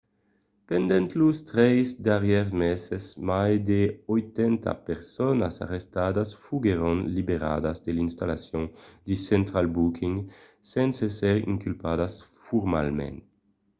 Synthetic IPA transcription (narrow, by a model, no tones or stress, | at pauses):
pend̪ɛnt̪lust̪ɾɛjzd̪aʁjɛʁmɛsesmajd̪eojt̪ɛnt̪ʰa̰peɾsɔnasa̰ʁest̪ad̪asfuɡeɾɔnlibeɾa̰d̪azd̪elinst̪alasjõŋd̪isɛnt̪ɾalbukʰiŋɡ | sɛnsesɛɾḭŋkylpad̪asfuɾma̰lmḛn